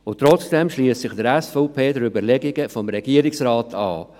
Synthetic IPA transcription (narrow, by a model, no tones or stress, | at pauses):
ʊt̪ːɾɔt͡sd̥ɛmʃliəssɪχd̥əɾɛsfɔpʰeːdəɾybəɾlɛɡɪɡəfɔmɾɛɡ̥iəɾɪksɾaːtʰɑ̰ː